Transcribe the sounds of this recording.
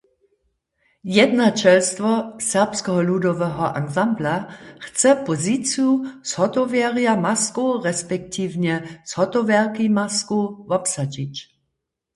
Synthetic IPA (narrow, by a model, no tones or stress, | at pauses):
jɛd̪nat͡ʃɛlst̪ʋɔsɛʁpskɛɦɔludɔʋɛɦɔʔa̰ɡzamblaxt͡sɛpɔzit͡sijushɔt̪ɔvjɛʁijamaskoʁɛspɛk̚t̪ʰiːwɲɛshɔt̪ɔʋjɛʁkimaskuvɔpsad͡ʒit͡ɕ